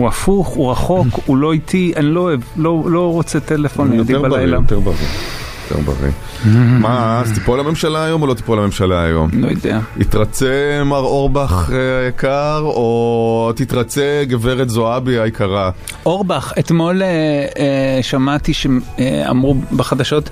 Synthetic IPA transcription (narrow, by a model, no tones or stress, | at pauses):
uafuχuʁaχokulo̞it̪ʰiʔaniloevlolo̞ʁot͡set̪elefonjot̪ieʁbalbalaot̪eʁbaʁḭjot̪ʰḛʁba̰ʁḭ | mazt̪ipolame̞mʃalaːjo̞molot̪i̥polame̞mʃalaajo̞̰mlojod̪ḛait̪ʁat͡semaʁo̞ʁbaχajakʰaʁot̪it̪ʁat͡seɡeveʁet̪zoabiaikaʁa | ʔoʁbaχet̪mo̞le | ʃamat̪iʃeea̰mʁubeχad̪aʃo̞t̪